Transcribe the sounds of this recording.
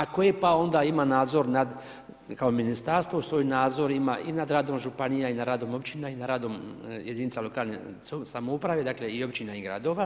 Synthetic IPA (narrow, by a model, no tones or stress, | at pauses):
akojepao̞nd̪aimanaːd̪zo̞ɾnad̪ | kaominist̪aɾst̪ʋousʋoːjnaːd̪zo̞ɾimaʔinad̪ɾaːd̪o̞mʒupanijainad̪ɾaːd̪o̞mo̞bt͡ʃinainaɾaːd̪o̞mjed̪init̪salokaːlnḛ | ssamoupɾaʋed̪aːkleio̞bt͡ʃinaiɡɾa̰d̪o̞ːʋa